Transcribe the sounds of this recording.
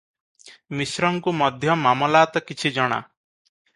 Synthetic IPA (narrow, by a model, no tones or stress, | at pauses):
misɾɔŋkumɔd̪ʱjɔmamɔlat̪ɔkit͡ʃʰid͡ʒɔɽ̃a̰